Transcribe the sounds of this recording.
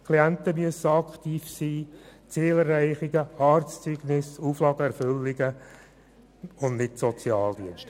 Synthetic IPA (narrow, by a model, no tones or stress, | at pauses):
kʰliænt̪əmyəsəɑkχt̪iːfsiːt͡seːlərːæɪχɪɡəhɑːɾtst͡syɡ̥nɪsuːflɑːɡəɛɾfʏlːɪɡə | ʊndnɪtsɔt͡sjɑːld̪iənʃtə